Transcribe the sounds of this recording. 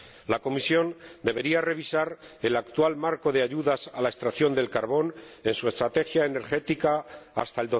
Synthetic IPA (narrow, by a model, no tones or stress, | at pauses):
lako̞misjo̞nd̪e̞βe̞ɾiare̞βisaɾelakt̪walmaɾko̞ðeaʝuðasalae̞st̪ɾaθjo̞nd̪e̞lkaɾβo̞ne̞nsue̞st̪ɾat̪e̞xjaene̞ɾxe̞t̪ikaːst̪aeld̪o